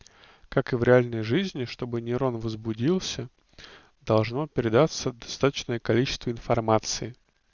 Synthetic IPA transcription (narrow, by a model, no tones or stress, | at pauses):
kakɨvɾʲɪalʲnəjʐɨzʲnʲɪʂt̪o̞bɨnʲɪɾo̞nvəzbʊdʲilˠsʲə | d̪ɐlˠʐno̞pʲɪɾʲɪd̪at̪səd̪ɐst̪at̪ə̥t͡ɕnəjəkɐlʲit͡ɕɪ̥st̪vəɪnfɐrmat̪sɨɪ